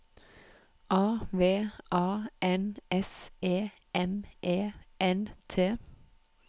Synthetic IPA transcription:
ʔɑːʋeːʔɑːʔɛnɛseː | ʔɛmʔeːɛnt̪ʰeː

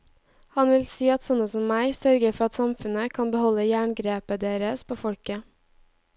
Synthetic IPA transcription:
hɑnʋɪlsiːɑt̪sɔnəsɔmæɪsœɾɡəfɔɾɑt̪sɑmfʉnəkʰɑnbəhɔləjæːɳɡɾeːpəd̪eːɾəspʰoːfɔɽkə

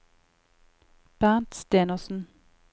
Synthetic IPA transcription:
b̥æːnt̪sd̪̥enəsn̩

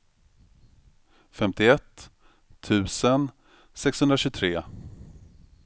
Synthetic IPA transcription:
fɛmt̪ɪɛt̪ʰː | ʉ̟ːsən | sɛkshɵnɾaɕɵʉːt̪ʰɾeː

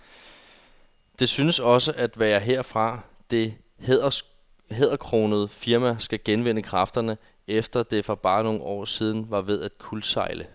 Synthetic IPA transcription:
d̥e̝synəsɒ̽səʔæd̥ʋæːɐɦe̝ɐ̰fʁɑ̈d̥e̝ | ɦeð̞̰ˠɐkʰʁo̝ːnəð̞̩ˠfiɐmæsɡ̥æɡ̥enʋenəkʰʁɑ̈fd̥ɐnə | efd̥ɐd̥e̝fɒ̽b̥ɑ̈ːno̝ːŋ̩ɒ̰ːsiːð̞ˠn̩ʋɑ̈ʋe̝ð̞ˠæd̥kʰulsɑ̈ɪlʔə

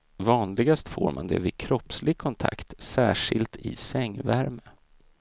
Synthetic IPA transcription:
vɑːnlɪɡast̪foːɾmand̪ɛ̰vɪkʰɾɔpslɪɡ̚kʰɔnt̪ʰa̰kt̪sæːʂɪlt̪ʰɪsɛŋːvæɾmə

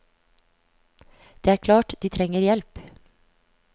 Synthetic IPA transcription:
d̪̥eːæːɾkʰlɑːʈd̪iːt̪ʰɾɛŋəɾjɛlp

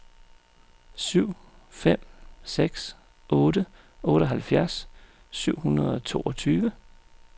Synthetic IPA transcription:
syʊ̰ | fem̰seɡ̥s | ʔɔ̽ːɾə | ɔ̽ːɾəɒɦælfjæɐsː | yʊ̰hunɐð̩ˠɒ̽t͡sʰo̝ːɒ̽t͡sʰyːʋə

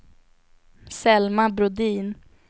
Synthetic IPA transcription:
sɛlmabɾʊd̪iːn

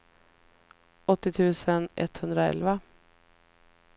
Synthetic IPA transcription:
ɔt̪ːɪt̪ʰʉ̟ːsənʔɛ̰t̪hɵnd̪ɾaɛ̰lva

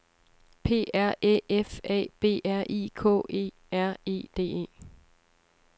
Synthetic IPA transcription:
pʰe̝̰ːæɐ̰eefɛ̰ːb̥e̝̰ːʔæɐ̰ʔḭkʰɔ̰e̝̰ː | æɐ̰e̝̰ːd̥e̝̰ːḛː

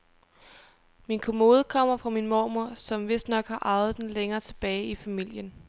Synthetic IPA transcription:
minkʰo̝mo̝ːð̞ˠəkʰɒ̽m̰ɐfʁɑ̈minmɒːmoɐ̰sɒ̽mʋe̝sd̥nɒ̽ɡ̥hɑ̈ʔɑ̈ʊð̩ˠd̥en̩leŋɐːt͡sʰe̝b̥ɛːɪifæmil̰jən

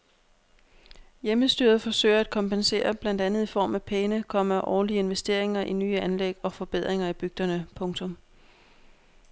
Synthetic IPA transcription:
jeməsd̥yɐð̞̩ˠfɒ̽sø̰ːɪɐæd̥̚kʰɒ̽mpense̝̰ːɐb̥læn̰d̥ænð̩ˠifɒ̰ːmæpʰeːnəkʰɒ̽m̰æʔɒːliəe̝nʋesd̥e̝̰ɐ̰e̝ŋɐʔinyːænleɡ̥ɒ̽fɒ̽b̥e̝ð̞̰ˠʁeŋɐæb̥yɡ̥̚d̥ɐnəpʰɔ̽ŋt͡sʰɔ̽m

